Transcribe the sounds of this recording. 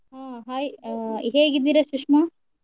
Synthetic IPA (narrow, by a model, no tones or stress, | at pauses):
ɦaːɦaːjɦeːɡid̪ːiːɾɐʃukʂma